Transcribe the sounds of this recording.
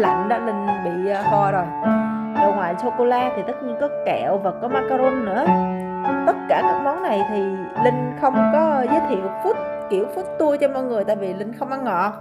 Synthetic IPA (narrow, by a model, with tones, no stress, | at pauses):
la̰˧˨nɗɔ˨˦˥lï˧ŋ̟ɓḭː˧˨˧xɔ˧zo˨˩j | zo̰˧˩mwaː˨˩t͡ɕo˧ko˧laː˧t̪ʰi˨˩t̪ə˦˥t̚ɲi˧ənkɔ˨˦kɛ˧˩˨wvaː˨˩kɔ˨˦maː˧ka˧ɾo˧nːɨ̰˧˥ə | t̪ə˦˥t̚kaː˧˩kaː˦˥k̚mɔ˨˦nna˨˩jt̪ʰi˨˩ | lï˧ŋ̟xə˧wŋ͡mkɔ˨˦zəː˨˦jt̪ʰḭ˧˨əwfu˦˥t̚ | ki˧˩əwfu˦˥t̚t̪u˧əjt͡ɕɔ˧mɔ̰ː˧˨jŋɨ˨˩əjt̪aː˧˨vi˨˩lï˧ŋ̟xə˧wŋ͡mʔa˧nŋɔ̰˧˨